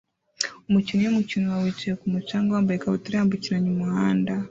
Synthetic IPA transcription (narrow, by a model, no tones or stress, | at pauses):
omucinijomucinuwawit͡ʃekumut͡ʃaːŋɡaambaekaβutuɾihambucinaɲumuhaːnda